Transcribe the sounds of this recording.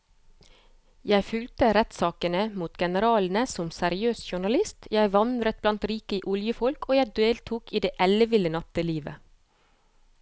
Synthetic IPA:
jæɪfʉlt̪əɾɛt̪sɑːkənəmuːt̪ɡɛnəɾɑːln̩əsɔmsæɾɪøːsʃʊɳɑlɪst̪jæɪʋɑnd̪ɾət̪̚blɑnt̪ɾiːkəʔʊljəfɔlkoːjæɪd̪eːlt̪ʰuːkiːd̪eːʔɛləʋɪlənɑt̪əliːʋə̰

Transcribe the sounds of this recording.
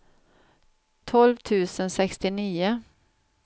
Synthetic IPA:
t̪ʰɔlvt̪ʰʉ̟ːsənsɛkst̪ɪniːʊ

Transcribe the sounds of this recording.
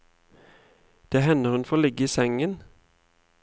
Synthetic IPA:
d̪̥eːhɛnəʁhʉnfɔoːlɪɡəiːsɛŋən

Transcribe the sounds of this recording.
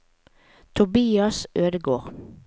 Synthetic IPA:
t̪ʰʊbiːɑsøːd̪əɡoːʁ

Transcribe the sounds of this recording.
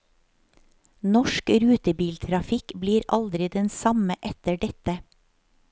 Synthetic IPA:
nɔʃkɾʉːt̪əbiːlt̪ʰɾɑfɪkbliːɾɑld̪ɾɪd̪ɛnsɑməʔɛt̪əɖɛt̪ə

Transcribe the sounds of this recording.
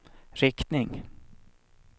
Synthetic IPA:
ɾɪkt̪nɪŋ

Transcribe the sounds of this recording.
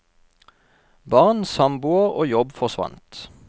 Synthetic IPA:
bɑʁnsɑmbuːəʁo̰ːjɔbfɔʁsʋɑ̰nt̪

